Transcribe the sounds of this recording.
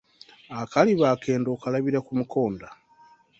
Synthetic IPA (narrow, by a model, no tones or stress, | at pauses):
akaliβaːke̞ːndo̞ːkalaβiɾakumuko̞ːnda